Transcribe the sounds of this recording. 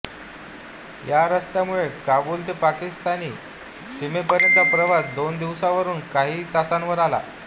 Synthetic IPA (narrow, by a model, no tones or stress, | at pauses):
jaɾəst̪jamuɭekabuːlt̪̬epakist̪aniː | simepəɾənt͡sapɾəʋad̪ond̪iʋsaʋəɾuːnkaɦiːt̪asanʋəɾala̰